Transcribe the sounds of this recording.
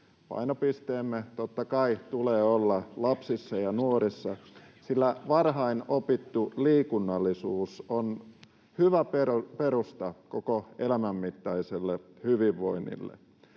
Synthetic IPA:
pɑ̰inopist̪eːmːet̪ot̪ːɑkɑit̪uleːolːɑlɑpsisːɑjɑnuoɾisːɑsilːæʋɑrɦɑinopit̪ːuliːkunːɑlːisuːson | hyʋæpepeɾust̪ɑkokoelæmæmːit̪ːɑiselːehyʋiʋːoinːḭlːḛ

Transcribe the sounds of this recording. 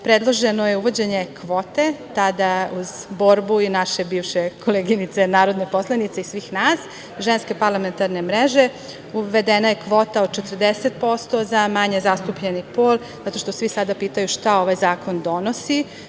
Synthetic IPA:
pɾed̪lˠoʒenojeuʋo̞d͡ʑeɲe̞kʰʋo̞ːt̪e̞t̪ad̪auzbo̞ɾbuinaʃebiːʋʃekʰo̞leɡinit̪se̞naːɾo̞d̪nepo̞slˠanit̪seisʋiːxnaːs | ʒenske̞paɾlament̪aɾne̞mɾeʒe̞ | uʋed̪enaje̞kʋo̞ːt̪aod̪̚t͡ʃet̪ərd̪eset̪̚po̞st̪o̞zamaɲe̞zast̪upʎenipoːl | zat̪o̞ʃt̪osʋisad̪apiːt̪ajuʃt̪ao̞ʋajzaːkʰo̞nd̪o̞no̞si

